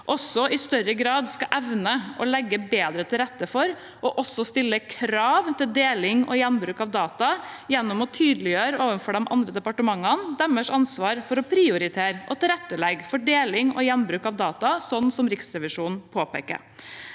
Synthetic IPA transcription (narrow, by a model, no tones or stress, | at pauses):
ʔɔsːɔɪst̪œɾəɡɾɑːd̪skɑʔɛʋnəʔɔlɛɡːəbeːd̪ɾət̪ʰɪlɾɛt̪ːəfɔɾ | ɔʔɔsːɔst̪ɪlːəkʰɾɑːʋt̪ʰɪld̪eːlɪŋɔ̰jɛnbɾʉːkɑʋd̪ɑːt̪ɑjɛnːɔmɔt̪ʰyːd̪lɪjøːɾəoːʋənfɔɖɛmʔɑ̰nd̪ɾəd̪ɛpɑʈəmɑŋːənd̪ɛməʂɑnsʋɑːɾfɔɾɔpʰɾɪʊɾɪt̪ʰeːɾʔɔ̰t̪ɪlɾɛt̪ːəlɛɡfɔɖeːlɪŋɔ̰jɛnbɾʉːkɑʋd̪ɑːt̪ɑsɔnːsɔmɾɪksɾɛʋɪʂuːnn̩pʰoːpḛːkə̰ɾ